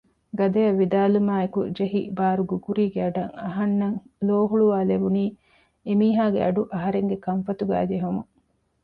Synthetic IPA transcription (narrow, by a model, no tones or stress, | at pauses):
ɡɐd̪ɐjɐʋːid̪aːlumaːekṵd͡ʒeɦḭbaːɾuɡuɡuɾiːɡeɐɖɐŋɐɦɐnːɐŋloːɦuɭuʋaːlebuniː | emiːɦaːɡḛɐɖuʔɐɦɐɾeŋɡekɐɱfɐt̪uɡæ̰ːd͡ʒeɦomu